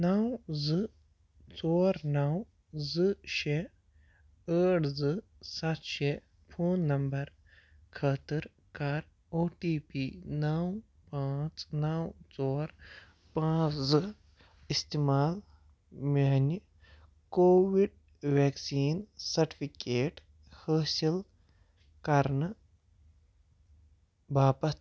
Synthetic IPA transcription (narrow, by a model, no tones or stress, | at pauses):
nɐwzɨ | t͡soːɾnɐw | zɨʃe | əːʈzɨ | sɐt̪ʃe | pʰoːnːɐmbɐɾ | kʰɐt̪ɨɾ | kaːɾ | oːʈiːpiːnɐw | pãːt͡snawt͡sɔːɾ | pãːzɨ | ist̪imaːl | meni | koːʋiɖ̚ | ʋeːksiːnsɐɾʈi̥pʰikeːʈ | həːsil | kɐɾnɨ | bʱaːpɐt̪